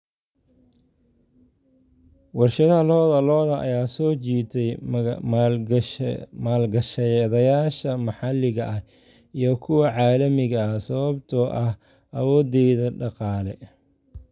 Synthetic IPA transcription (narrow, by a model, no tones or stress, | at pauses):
wɑrʃɐðɐhɐlɔːðɐlɔːðɐʔɐ̰jaːsɔːt͡ʃiːt̪ʰɛj | maːlɡɐʃɐðɐjaːʃɐmɑħɑlɪɣɐʔɐh | ijɞkʰʊwɑʕɑːlɐmɪɣɐsɐβɐbt̪ʰɔʔɐh | ʔɐ̰wɔːd̪ɛjðɐɖɑqɑːlɛ